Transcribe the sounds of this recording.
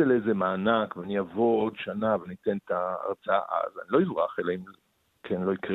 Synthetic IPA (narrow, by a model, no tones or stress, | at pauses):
elezemaːnakveaniavoodʃanaveanit̪ent̪a̰ːʁt͡saa̰ʔa̰za̰nilo̞izʁaχelaim | kʰenlo̞ikʁ